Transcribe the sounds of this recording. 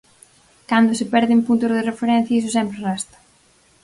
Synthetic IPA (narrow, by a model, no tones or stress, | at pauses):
kand̪ʊsɪpɛɾðɪmpunt̪ʊzðɪrefeɾɛ̃n̟θjaɐis̬ʊsɛmpɾɪrɛst̪ɐ̥